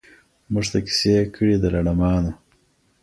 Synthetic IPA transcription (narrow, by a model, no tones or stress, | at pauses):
muʐt̪aki̥sekʰəɽid̪əlaɽamɑːno